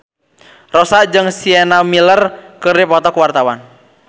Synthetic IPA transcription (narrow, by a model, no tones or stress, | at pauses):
rɔsad͡ʒɨŋsienamilərkɨripɔt̪ɔkwart̪awan